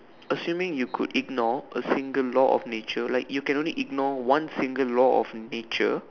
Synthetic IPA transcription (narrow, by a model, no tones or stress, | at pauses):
əsjũmɪ̃ŋjukʰṵdiɡ̚nɔʔəsĩŋɡəllɔʔɔ̰fnet͡ʃəlaɪkjukɛ̃nõnliʔiɡ̚nɔwãnsĩŋɡəllɔɔ̰fnet͡ʃə̰